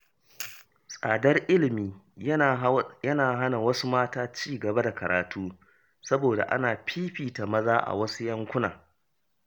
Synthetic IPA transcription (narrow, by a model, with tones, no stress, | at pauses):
sʼaː˨dɐ˦rʔɪ˦lɪ˨miː˨˦ | jɐ˦naː˨ɦa˦na˨wɐ˦su˦maː˦taː˦t͡ʃiː˦ɡɐ˨ba˦da˨kɐ˨ɾʔa̰ː˨tʰuː˦ | sɐ˦boː˨da̰˨ʔa̰˦naː˨ɸʰiː˦ɸiː˨ta˨mɐ˦zaː˦ʔa̰˨wɐ˦su˦jɐ˦ŋkʷʊ˦na̰ː˨